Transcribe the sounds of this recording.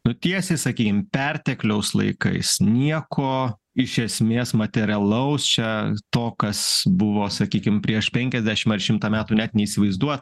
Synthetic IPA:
nʊt̪ʲiɛsʲeɪsɐkʲiːkʲɪmpʲɛrʲt̪ʲɛklʲɛʊslˠɐ̰ɪkɐ̰ɪsnʲiɛkʰoː | ɪʃʲɛsʲmʲeːsmɐt̪ʲɛɾʲɐlˠɐʊst͡ʃʲɛt̪oːkɐsbʊʋoːsɐkʲiːkʲɪmpʲɾʲiɛʃpʲɛŋʲkʲɛzʲd̪ʲæːʃʲɪmɐrʃʲɪmt̪ɑːmʲæːt̪uːnʲæːt̪nʲɛiːsʲɪʋɐɪzd̪uɔt̪

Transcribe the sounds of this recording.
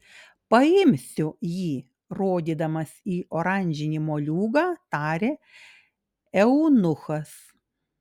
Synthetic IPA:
pɐɪmʲsʲʊjiː | ɾoːd̪ʲiːd̪ɐmɐsiːʔoːɾɐˑnʲd͡ʒʲɪnʲimoːlʲuːɡɑːt̪ɑːɾʲeː | ɛʊnʊxɐs

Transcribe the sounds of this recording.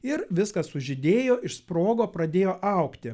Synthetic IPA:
ɪɾʋʲɪskɐssʊʒʲɪd̪ʲeːjoːʔɪʃspɾoːɡoːpɾɐd̪ʲeːjoːʔɐʊkt̪ʲɪ

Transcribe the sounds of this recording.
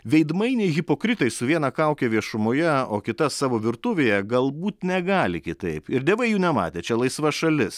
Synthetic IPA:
ʋʲɛɪd̪mɐɪnʲɛɪɣʲɪpoːkɾʲɪt̪ɐɪsʊʋʲiɛnɐkɐˑʊkʲɛʋʲiɛʃʊmoːjɛo̰ːkʲɪt̪ɐsɑːʋoːʋʲɪɾt̪ʊʋʲeːjɛɡɐlˠbuːt̪nʲɛɡɑːlʲɪkʲɪt̪ɐɪpɪɾd̪ʲeːʋɐɪjuːnʲɛmɑ̰ːt̪ʲeːt͡ʃʲɛlˠɐɪsʋɐʃɐlʲɪs

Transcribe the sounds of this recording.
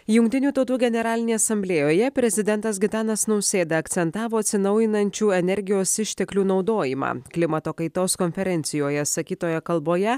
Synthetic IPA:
jʊŋk̚t̪ʲɪnʲuːt̪ɒʊt̪uːɡʲɛnʲɛɾɑːlʲɪnʲeɛɐsɐmʲbʲlʲeːjoːjɛpʲɾʲɛzʲɪd̪ʲɛnt̪ɐs̬ɡʲɪt̪ɑːnɐsnɐʊsʲeːd̪ɐɐkt̪sʲɛnt̪ɑːʋoːɐt̪ʲsʲɪnɐʊjɪnɐnʲt͡ʃʲuːɛnʲɛɾʲɡʲɪjoːsɪʃʲt̪ʲɛklʲuːnɒʊd̪oːjɪmɑ̰ːklʲɪmɐt̪oːkɐɪt̪oːskɔnʲfʲɛɾʲɛnʲt̪sʲɪjoːjɛsɐkʲiːt̪oːjɛkɐlˠboːjɛ

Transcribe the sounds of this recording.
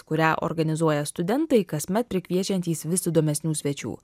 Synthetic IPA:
kʊɾʲæːʔo̰ːɾɡɐnʲɪzuɔjɛst̪ʊd̪ʲɛnt̪ɐɪkɐsʲmʲɛt̪̚pʲɾʲɪkʲʋʲiɛt͡ʃʲɛnʲt̪ʲiːsʋʲɪsʲɪd̪oːmʲɛsʲnʲuːsʲʋʲɛt͡ʃʲṵː

